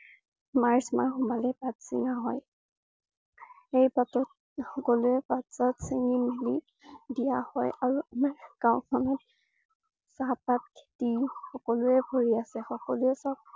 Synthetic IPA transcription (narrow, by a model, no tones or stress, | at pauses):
maɹsmaɹxumalɛpatsḭŋaɦɔj | ejpatɔt̚ | xɔkɔlʊɛpatsatseŋimeli | dijahɔjaɹuamaɹkaʊ̃kʰɔnɔt | sapatkʰe̥tixɔkɔlʊɛbʱoɹiasɛxɔkɔlʊɛsab̚